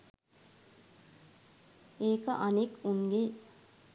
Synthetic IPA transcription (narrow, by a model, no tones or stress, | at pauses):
eːkaʔʌnekuŋɡe